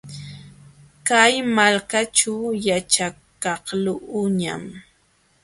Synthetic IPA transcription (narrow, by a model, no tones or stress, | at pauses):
kajmalkat͡ʃawjat͡ʃakɑhlʊʔʊɲa̰m